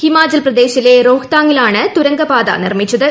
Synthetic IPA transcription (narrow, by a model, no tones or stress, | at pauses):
hɪmaːd͡ʒɐlprɐd̪eːʃɪleːɾoːɣt̪aːŋɪlaːɳɐt̪ʊɾɐŋɡɐpaːða̰ːnɪrmɪt͡ʃːɐðɯ